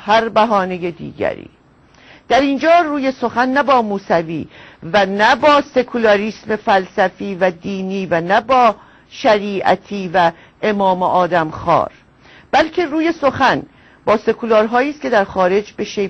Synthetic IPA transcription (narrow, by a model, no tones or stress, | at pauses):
hæɾbæɦɒːnejed̪ḭːɟæ̰ɾḭː | d̪̥æɾiːnd͡ʒɒːruːje̞so̞xænːæbɒːmuːsævḭːvænæbɒːse̞kʰulɒɾiːsme̞fælsæfiːvæd̪iːniːvænæbɒː | ʃæɾiːʔæ̰t̪ʰiːvæ | emɒːmoʔɒːd̪æmxɒ̰ːɾ | b̥ælcʰe̞ɾuːje̞so̞xæn | b̥ɒːse̞kʰulɒːɾɦɒːjiːst̪kcʰe̞d̪æɾxɒːɾe̞d͡ʒbe̞ʃe